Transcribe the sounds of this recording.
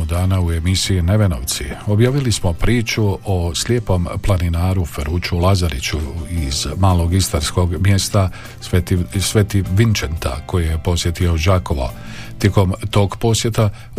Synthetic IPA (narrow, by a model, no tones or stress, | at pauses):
od̪aːnaue̞misiine̞ʋe̞noʋt̪siobjaːʋilismo̞pɾiːt͡ʃuoslje̞po̞mplˠaninaːɾufeɾuːt͡ʃulazaɾit͡ɕuizmaːlˠo̞ɡist̪aɾsko̞ɡmjest̪a | et̪sʋet̪iʋint͡ʃent̪a̰ko̞jijepo̞sje̞t̪io̞d͡ʒaːko̞ʋo̰ | t̪je̞ko̞mt̪o̞ːɡpo̞sje̞t̪a